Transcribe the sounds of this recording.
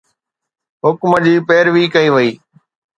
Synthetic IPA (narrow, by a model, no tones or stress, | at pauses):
ɦʊkməd͡ʑiːpeːɾʋiːkɐiːʋəiː